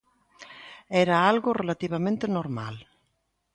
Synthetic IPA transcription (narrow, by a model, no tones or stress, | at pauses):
ɛɾaalɣorelat̪iβ̞amẽnt̪enoɾma̰l